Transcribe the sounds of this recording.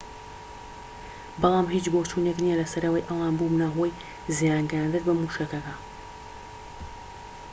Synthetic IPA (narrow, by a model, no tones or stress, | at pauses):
bɑlˠɑːmɦiːt͡ʃboːt͡ʃuːneknijɐlɐsɐɾɐwɐjʔɐwaːnbumnaxoj | zjaːŋɡand̪ɨt̪bɐmuʃɐkɐkɐ